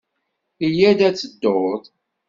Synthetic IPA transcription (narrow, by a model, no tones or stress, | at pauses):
ijæd̪æt͡sːəd̪ːoðˤ